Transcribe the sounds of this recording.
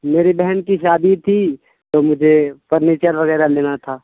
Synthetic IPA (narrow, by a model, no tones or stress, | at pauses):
meːɾebɛɦɛnkiʃaːd̪it̪ʰi | t̪omʊd͡ʒʱepɐɾniːt͡ʃəɾʋɐɣɛːɾaleːnat̪ʰaː